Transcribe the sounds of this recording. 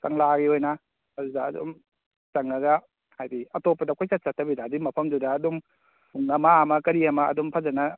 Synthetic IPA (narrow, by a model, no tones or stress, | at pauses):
kaŋlaɡiojnɐ | ɐdudaːdɔ̰m | t͡ʃɐŋɐɡɐ | hajbiɐtopːɐdakʰɔjsat̚satʰːɐbidadimɐpʰɐmdudaːdum | uŋːɐmaɐmɐkɐɾiɐmɐɐ̰dɔmpʰazɐnɐ